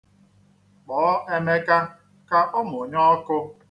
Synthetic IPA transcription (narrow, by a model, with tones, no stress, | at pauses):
k͡pɔː˨˦ʔe˦me˦ka˦ | ka˦ʔʊ˦mʊ˨ɲɔ˦kʊ˦